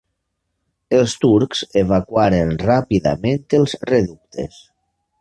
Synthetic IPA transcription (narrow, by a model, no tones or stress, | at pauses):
elˠst̪uɾkzeβakwaɾenrapiða̰mẽnt̪elˠzreðuk̚t̪ʰḛs